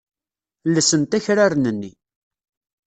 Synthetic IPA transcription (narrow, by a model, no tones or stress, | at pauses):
lːəsənt̪æçɾaɾnənːi